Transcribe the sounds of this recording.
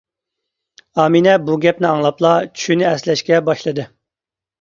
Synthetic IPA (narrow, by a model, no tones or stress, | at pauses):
ɑːminɛbuɡʲɛpnɪɑŋlˠɑplˠɑt͡ʃʰynɪɛslɛʃkʲɛbɑʃlˠɨd̪ɨ